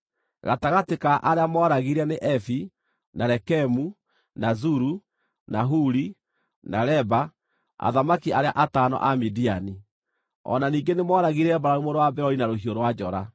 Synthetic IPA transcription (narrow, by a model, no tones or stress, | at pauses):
ɣataɣatekaʔaɾeamɔɾaɣiɾɛneʔɛfi | naɾɛkɛmu | nazuɾu | naɦuɾi | naɾɛba | a̰ðamakiaɾeaʔataːnɔ̰ʔamidiani | ɔ̰naniːŋɡenemɔɾaɣiɾɛbaɾaumoɾowabɛɾɔinaɾoɦioɾowad͡ʒɔɾa